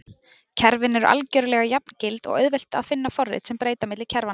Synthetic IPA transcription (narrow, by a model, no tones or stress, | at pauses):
cʰɛɾvɪnɛɾʏʔa̰lcœɾʏlɛɣajap̚n̥cɪlt̪ɔ̰ɣœ̰ɥðvɛl̥t̪a̰ðfɪnːafɔrːɪ̰t̪sɛmpɾeːjt̪amɪt̪lɪ̥cʰɛɾva